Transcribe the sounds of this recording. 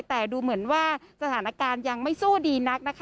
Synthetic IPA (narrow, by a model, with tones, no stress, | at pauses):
t̪ɛː˨˩duː˧mɯ˩˦ənwaː˥˩sa˧t̪ʰaː˩˦na˦˥kaː˧nja˧ŋma˥˩jsuː˥˩diː˧na˦˥k̚na˦˥kʰ